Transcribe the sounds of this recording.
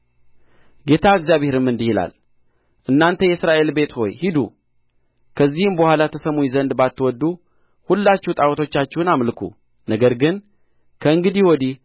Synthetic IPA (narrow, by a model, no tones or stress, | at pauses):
ɡe̞t̪ʰaɨɡzjaβheɾɨmːɨnd̪ihila̰l | ʔɨnːant̪ʰəjɛsɾaʔe̞lbe̞t̪ho̞̰jhid̪ṵ | kʰəzːihɨmbəhwalat̪ʰəsəmujzənd̪bat̪ːwɔd̪ːu | hulːat͡ʃːɛhut̪ʼawɔt̪ʰo̞t͡ʃːat͡ʃːɛwnamlɨkʰṵ | nəɡəɾɡɨn | kʰəɨŋɡɨd̪iwɔd̪i